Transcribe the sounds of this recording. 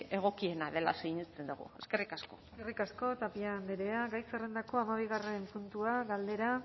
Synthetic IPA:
e̞ɣ̞o̞kie̞naðe̞la̰sejɲest͡send̪uɣṵe̞ske̞rikasko̞̰skerikasko̞t̪apiand̪eɾe̞aɣajserend̪ako̞amaβ̞iɣ̞are̞mpunt̪uaɣald̪e̞ɾa

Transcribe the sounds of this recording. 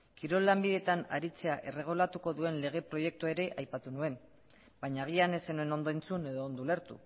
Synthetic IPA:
kiɾo̞lːambiðe̞t̪anaɾit͡se̞aʔe̞re̞ɣ̞ulat̪uko̞ðue̞nle̞ɣ̞e̞pɾo̞je̞k̚t̪uaeɾe̞ʔajpat̪unue̞m | baɲaːɣ̞iane̞senue̞no̞nd̪o̞ent͡sune̞ðo̞ːnd̪oule̞ɾt̪ṵ

